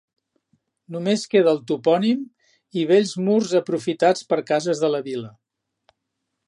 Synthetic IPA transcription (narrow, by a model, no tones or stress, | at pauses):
numeskeðəːlˠt̪upɔnim | iβeʎzmurzəpɾufit̪at͡spəɾkazəzðələβilə